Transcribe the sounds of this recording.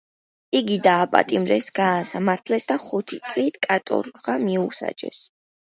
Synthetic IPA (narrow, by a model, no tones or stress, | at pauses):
iɡid̪aːpʼa̰t̪ʼimɾɛsɡ̥aːsamaɾt̪ʰlɛsd̪aχut̪ʰit̪sʼlit̪ʰkʼat̪ʼɔ̰ɾʁamiusa̰d͡ʒɛ̰s